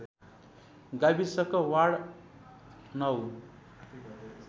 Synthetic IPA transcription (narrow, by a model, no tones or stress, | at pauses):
ɡabisʌkʌwaɽ | nʌw